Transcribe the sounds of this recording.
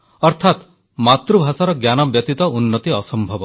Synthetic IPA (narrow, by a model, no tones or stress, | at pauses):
ɔɾt̪ʰat̪ | mat̪ɾubʱasaɾɔɡjanɔbjɔt̪it̪ɔʔunːɔt̪iɔsɔmbʱɔbɔ